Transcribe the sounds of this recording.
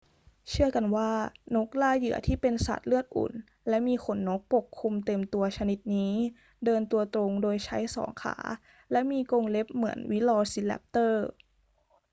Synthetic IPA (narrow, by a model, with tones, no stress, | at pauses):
t͡ɕʰɯ˥˩ɐka˧nwaː˥˩no˦˥k̚laː˥˩jɯ̰˨˩˦ɐt̪ʰiː˥˩pe˧nsa̰˨˩t̪̚lɯ˥˩ət̪̚ʔṵː˩˦n | lɛ˦˥miː˧kʰo˩˦nːo˦˥k̚po˨˩kʰːu˧mt̪e˧mt̪u˧ɐt͡ɕʰa˧ni˨˧˩t̪̚niː˦˥ | dɤː˧nt̪u˧ɐt̪ɾo˧ŋdoː˧jt͡ɕʰa˦˥jsɔ̰ː˩˦ŋkʰa̰ː˩˦ | lɛ˦˥miː˧koː˧ŋle˦˥p̚mɯ˩˦ənwi˦˥lɔː˧si˧˥lɛ̰˦˥p̚t̪ɤː˥˩